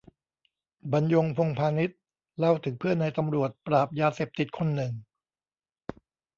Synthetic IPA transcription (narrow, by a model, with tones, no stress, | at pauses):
ba˧njo˧ŋpʰo˧ŋpʰaː˧ni˦˥t̪̚ | la˥˩wt̪ʰɯ˩˦ŋpʰɯ˥˩ənːa˧jt̪a˧mɾu˨˩ət̪̚pɾaː˨˩p̚jaː˧seː˨˩p̚t̪i˨˩t̪̚kʰo˧nːɯ˨˩ŋ